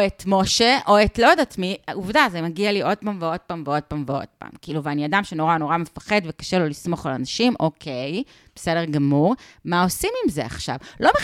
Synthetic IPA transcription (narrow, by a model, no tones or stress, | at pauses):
etmo̞ʃeʔoetlodatmiauvdazemaɡialiʔo̞d̚paːmveo̞d̥̚paːmveo̞d̚paːmveo̞̰d̥̚pa̰ːmkiiluveaniadamʃeno̞ʁano̞ʁamefḁχe̞dvekḁʃelo̞lismo̞χalanaʃimʔo̞kʰej | b̥esedeʁɡamuʁmaosimimzea̰χʃa̰vlo̞me